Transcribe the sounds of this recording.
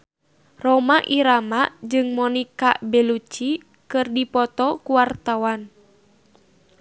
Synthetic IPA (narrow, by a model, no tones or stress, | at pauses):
rɔmaʔiɾamaʔd͡ʒɨŋmɔnika̰bɛlut͡ʃi | kɨrdipɔt̪ɔkuwart̪awan